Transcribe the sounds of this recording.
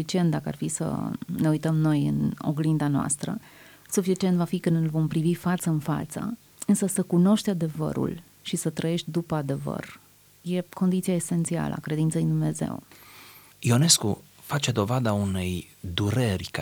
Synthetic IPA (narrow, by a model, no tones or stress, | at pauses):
it͡ʃie̞nt̪̚d̪akəa̰rfisə̰ne̞ujt̪əmno̞jɨ̰no̰ɡlind̪anoa̰st̪ɾə̰ | sufit͡ʃie̞nt̪vafikɨnɨlvo̞mpɾivifat̪səɨnfa̰t̪sə̰ | ɨnsəsəkuno̞ʃt̪ʲad̪e̞və̰ɾṵl | ʃisət̪ɾəje̞ʃt̪̚ʲd̪upəad̪e̞və̰r | je̞ko̞nd̪it̪siaese̞nt̪sia̰lə̰a̰kɾe̞d̪int̪səid̪umne̞ze̞̰w | io̞ne̞skṵ | fat͡ʃe̞d̪o̞vad̪aune̞j | d̪uɾerʲk